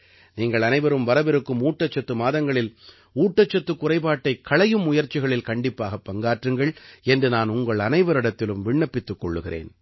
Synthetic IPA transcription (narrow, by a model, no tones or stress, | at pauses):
niːŋɡɐɭɐnɐɪʋɐɾɯmʋɐɾɐʋɛɾɯkːɯmuːʈːɐt͡ʃːɐt̪ːɯmaːðɐŋɡɐɭɪl | uːʈːɐt͡ʃːɐt̪ːɯkːʊrɐɪpaːʈːɐɪkʰːɐɭɐjɯmːʊjɐɾt͡ʃːɪɣɐɭɪlkɐɳɖɪpːaːɣɐpːɐŋɡaːʈrɯŋɡɐɭɛndrɯnaːnʊŋɡɐɭɐnɐɪʋɐɾɪɽɐt̪ːɪlɯmʋɪɳːɐpːɪt̪ːɯkːɔɭːɯɣɪrḛːn